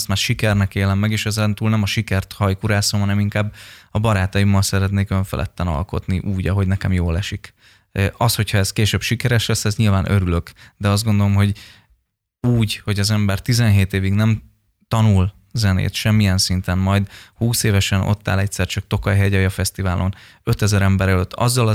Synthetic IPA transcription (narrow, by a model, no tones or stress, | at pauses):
st̪maːrʃikɛrnɛkeːlɛmːɛɡeːʃɛzɛnt̪uːlnɛmɒʃikɛrt̪hɒjkuɾaːsomɦɒnɛmiŋkaːbɒbɒɾaːt̪ɒjimːɒlsɛɾɛt̪neːkøɱfɛ̰lʔɛ̰t̪ːɛnɒ̰lko̞̰t̪niʔuːɟɒɦo̞ɟnɛkɛmjoːlɛʃikː | ɒsho̞chɒɛskeːʃøbʃikɛɾɛʃlɛsːɛzɲilvaːnʔøɾylø̞kd̪ɛɒzdɡo̞nd̪olo̞mɦo̞ɟ | uːɟho̞ɟɒzɛmbɛrt̪izɛnɦeːt̪eːviɡnɛm | t̪ɒnul | zɛnḛːt̪ʃɛmːijɛnsint̪ɛnmɒjd̪huːseːvɛʃɛno̞̰t̪ːa̰ːlɛc̚t̪sɛrt͡ʃɒk̚t̪o̞kɒjɦɛɟɒjɒfɛst̪ivaːlʔo̞n | ø̞t̪ɛzɛɾɛmbɛɾɛløt̪ʰːɒ̰zːɒlɒ